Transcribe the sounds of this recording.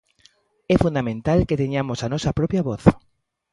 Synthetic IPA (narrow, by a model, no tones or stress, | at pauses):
ɛfund̪amẽnt̪alket̪eɲamosanɔsapɾɔpjaβɔθ